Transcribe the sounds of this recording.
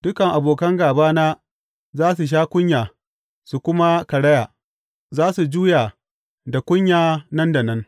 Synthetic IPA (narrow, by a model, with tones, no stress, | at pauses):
d̥ʊ˦kɐ˨ŋʔa˨boː˨kɐ˦ŋɡaː˨baː˦naː˦ | zaː˦s̬u˨ʃ̬aː˦kʷʊ˦ɲjaː˨ | su˨kʷʊ˦ma˦kɐ˨ɽɐ˦ja˨ | zaː˦su˨d͡ʒuː˦ja˨ | da˨kʷʊ˦ɲjaː˨nɐ˦nda˨nɐ˦n